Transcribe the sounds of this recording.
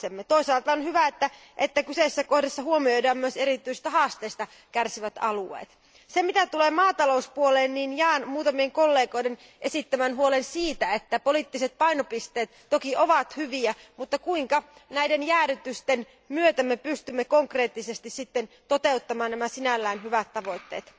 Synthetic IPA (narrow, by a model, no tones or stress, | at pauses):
emːet̪oisɑːlt̪ɑonhyʋæet̪ːæ | ʔet̪ːækyseisːæko̞hdesːɑhuomiojdɑːmmyøseɾit̪ːˑyisi̥st̪æhɑːst̪eːst̪ɑ | kærsiʋæt̪ɑluḛːt̪ | semit̪æt̪uleːmɑːt̪ɑlo̞uspuoleːnniːnjæːnmuːt̪ɑmieŋkolːe̞ːɡo̞jden | ʔe̞sit̪ːæmænɦuolensiːt̪æet̪ːæpolit̪ːiset̪̚pɑinopist̪e̞ːt̪ːokiʔoʋɑt̪hyʋiæmut̪ːɑkuiŋkɑnæidenjæːɾyt̪yst̪en | myøt̪æmːepyst̪ymːekoŋkre̞ːt̪ːisest̪issit̪ːent̪ot̪e̞ut̪ːɑmɑːnnæmæsinælːæinɦyʋæt̪ːɑʋo̞jt̪ːe̞̰ːt̪